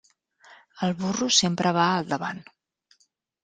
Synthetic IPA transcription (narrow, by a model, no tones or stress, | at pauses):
əlˠβurusempɾʔəβ̞aəlˠd̪əβan